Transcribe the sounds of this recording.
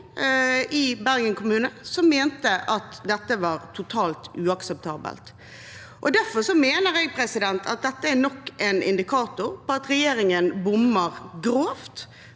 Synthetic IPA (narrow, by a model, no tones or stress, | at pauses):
ʔɪbæɾɡənkʰʊmʉːnəsɔmːeːnt̪əʔɑt̪d̪ɛt̪ːəʋɑːɾt̪ʰʊt̪ʰɑːlt̪ʉːɑksɛp̚t̪ʰɑːbə̰lt̪ | ʔɔd̪æɾfɔʂɔmeːnəɾɛɡpʰɾɛsɪd̪ɛnt̪ʰɑt̪̚d̪ɛt̪ːəænɔkːʔɛnɪ̰nd̪ɪkʰɑːt̪ʊɾpʰɔɑt̪ɾɛjeːɾɪŋənbʊmːəɾɡɾoːft̪